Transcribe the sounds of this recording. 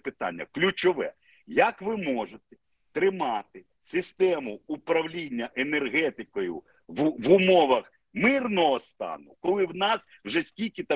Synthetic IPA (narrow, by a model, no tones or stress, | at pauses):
pɪt̪ɑ̰nʲːɐ̰klʲʊt͡ʃɔʋɛ̰ | jɐkʋɪmɔʒet̪ɛ̥ | t̪ɾɪmɑt̪ɪ | sʲɪst̪ɛmʊupɾɐwlʲinʲːɐʔene̞rɦɛt̪ɪkɔjʊ̰ | ʋʋʊmɔʋɐx | mɪrnɔɦɔst̪ɑ̰nʊkɔlˠɪwnɑs | wʒɛsʲkʲilʲkɪt̪ɑ